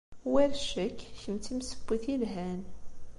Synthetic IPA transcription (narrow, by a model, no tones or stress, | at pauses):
wæɾʃəkːçəmt͡s̪imsə̥bːiθilɦæn